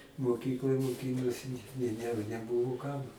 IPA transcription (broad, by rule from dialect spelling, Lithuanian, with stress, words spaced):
moːˈkʲiːklˠoːj moːˈkʲiːnoːsʲɪ ɪ ˈnʲɛ nʲɛˈbʊʋʊ ˈkɐm